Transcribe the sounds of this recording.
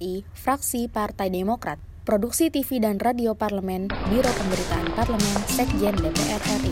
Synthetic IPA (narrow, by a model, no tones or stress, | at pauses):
ifɾaksipart̪ajdemokɾa̰t̪̚ | pɾoduk̚sit̪ifidanradioparləmɛnbiɾopəmbəɾit̪aʔanparləmɛnsɛk̚d͡ʒɛndepeʔɛrɛri